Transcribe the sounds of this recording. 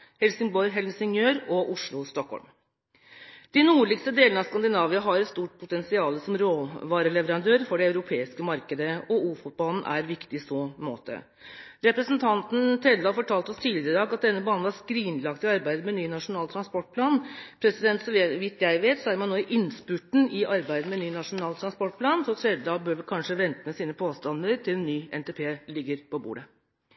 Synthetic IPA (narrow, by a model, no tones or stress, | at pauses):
hɛlsɪŋbɔʏɦɛlsɪŋjøːɾɔʔʊʂɭʊst̪ɔkhɔ̰lm | d̪̥ɪnuːɭɪkst̪əd̪eːlnəɑʋskɑnd̪ɪnɑːʋɪɑɦɑɾɛt̪st̪uːʈ̚pʰʊt̪ɛnsɪɑːləsɔmɾoːʋɑːɾəɭɛʋəɾɑnd̪øːɾfɔɖɛɑʉɾʊpʰeːɪskəmɑɾkəd̪əɔuːfʊt̪̚bɑln̩ʔæ̰ɾʋɪkt̪ɪsɔːmo̰ːt̪ʰə̰ | ɾɛpɾəsnt̪ʰɑnt̪n̩t̪ʰɾɛd̪d̪ɑːfɔʈʰɑːlt̪ɔst̪ʰiːlɪɾəd̪ɑːɡɑt̪̚d̪ɛnːəbɑːnn̩æʂkɾiːnlɑkt̪ɪɑɾbæɪd̪əmɛnyːnɑʂʊnɑːlt̪ʰɾɑnspɔʈ̚pʰlɑːnpʰɾɛsɪd̪ɛnt̪sɔʋɪt̪jæɪʋeːt̪sɔæɾmɑnːoːɪʔɪnspʉʈɳ̩ɪʔɑɾbæɪd̪əmɛnyːnɑʂʊnɑːlt̪ʰɾɑnspɔʈ̚pʰlɑːnsɔt̪ʰɾɛd̪d̪ɑːbøːɾʋəkʰɑnʂəʋɛnt̪əmɛsiːnəpʰoːst̪ɑnd̪əɾt̪ʰɪlɛnːyːɛ̰nt̪ɛpʰeːlɪɡːəɾpʰɔbṵːɖə